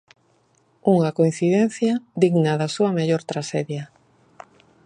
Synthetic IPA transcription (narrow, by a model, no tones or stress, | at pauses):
uŋakoĩn̟θiðen̟θjad̪iɣnaðasuameʎoɾt̪ɾaʃeðja